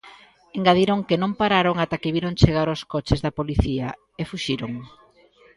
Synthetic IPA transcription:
eŋɡaðiɾoŋkenõmpaɾaɾoŋat̪akeβiɾoŋt͡ʃeɣaɾoskɔt͡ʃɪzðɐpoliθiɐ | efuʃiɾoŋ

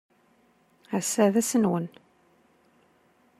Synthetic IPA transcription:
æsæðæsənwən

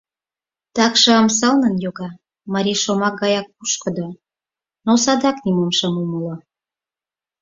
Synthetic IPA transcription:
t̪ɑkʃɤɑmsɑlnənjoɣɑ | mɑɾʲiʃomɑk̚ɡɑjɑk̚puʃkə̆d̪o | nosɑd̪ɑknimomʃəmuməlo

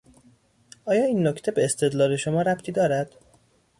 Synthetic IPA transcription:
ɒːjɒːiːnːoct̪ʰe̞be̞eːst̪ʰe̞d̪lɒːle̞ʃo̞mɒːɾæpt̪ʰiːd̪ɒːɾæd̪̥

